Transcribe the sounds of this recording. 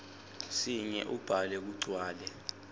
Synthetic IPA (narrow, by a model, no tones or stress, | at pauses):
siɲɛ̰ʔub̥ʱalɛk̬uɡ͡ǀʱwaːlɛ